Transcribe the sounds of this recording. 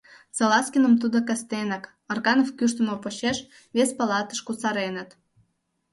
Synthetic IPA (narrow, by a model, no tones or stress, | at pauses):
t͡sɑlɑskʲinə̆mt̪̬ud̪okɑst̪enək | ɑrɣɑnofkyʃt̪ə̆mopoɕeʃ | βespɑlɑt̪ə̥ʃkut͡sɑɾenə̆t̪